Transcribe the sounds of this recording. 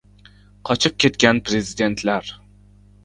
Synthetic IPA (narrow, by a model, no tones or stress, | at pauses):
qʰɒt͡ʃʰɪp̚kʲe̞t̪kʲanpɾe̞zid̪e̞nt̪ʰlaɾ